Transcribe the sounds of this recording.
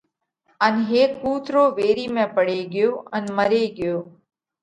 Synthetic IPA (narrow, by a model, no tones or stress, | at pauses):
ənɦeːkːuːt̪ʰɾoːʋeːɾiːmẽːpəɽeːɡɪjoːʔənməɾeːɡɪjoː